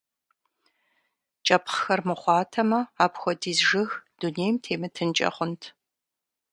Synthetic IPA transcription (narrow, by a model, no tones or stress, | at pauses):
t͡ʃʼɐpχxɐrmɨχʷɑːtʰɐmɐaːpxʷɔdiːzʒɨxd̥uneːjmtʰeːmɨtʰɨnt͡ʃʼɐ̰χʷʊntʰ